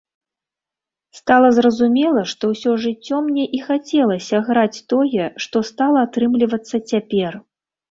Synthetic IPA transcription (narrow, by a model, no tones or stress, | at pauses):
st̪alˠɐzrɐzumʲɛlˠɐʂt̪ɔwsʲɔʐɨt͡sʲːɔmnʲɛʔixat͡sʲɛlˠɐsʲɐɣɾat͡sʲt̪ɔjɛʂt̪ɔst̪alˠɐːt̪ɾɨmlʲivɐt̪sːɐt͡sʲapʲɛr